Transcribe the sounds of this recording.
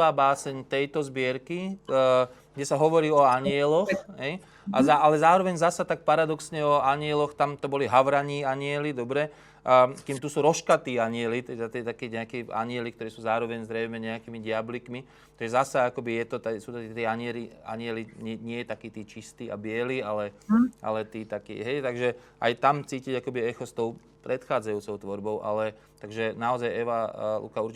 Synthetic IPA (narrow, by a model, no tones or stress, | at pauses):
aːbaːsɛɲt̪ɛjt̪ɔzbɪɛɾki | ɡɟɛsaɦɔʋɔɾiːɔaɲɪɛlɔxɦɛj | azaalɛzaːɾɔʋɛɲzasat̪ak̚paɾad̪ɔksɲɛɔaɲɪɛlɔxt̪amt̪ɔbɔliɦaʋɾaɲiːaɲɪɛlid̪ɔbɾɛ | kiːmt̪usuːɾɔʃkat̪iːaɲɪɛlit̪ɛd̪at̪iɛt̪akiːɲɛakiːa̰ɲɪɛlik̚t̪ɔɾiːsuːzaːɾɔʋɛɲzɾɛjmɛɲɛakiːmiɟɪablikmi | t̪aɡʒɛzasaakɔbijɛt̪ɔt̪ɛsuːt̪ɔt̪ɛt̪ɛaɲɪɛlia̰ɲɪɛliɲɛɲɪɛjɛt̪akiːt̪iːt͡ʃist̪iːa̰bɪɛliːalɛʔa̰lɛt̪iːt̪akḭːɦɛjt̪aɡʒɛ | ʔa̰jt̪amt͡siːciɟakɔbiɛxɔst̪ɔʊ | pɾɛt̪xaːd͡zajuːt͡sɔʊt̪ʋɔɾbɔʊʔa̰lɛ | t̪aɡʒɛnaɔzajɛʋalṵkauɾt͡ʃ